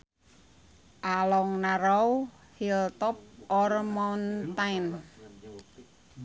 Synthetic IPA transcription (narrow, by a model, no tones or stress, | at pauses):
ʔalɔŋnaɾɔw | hilt̪ɔp̚ʔɔrmɔnt̪ajn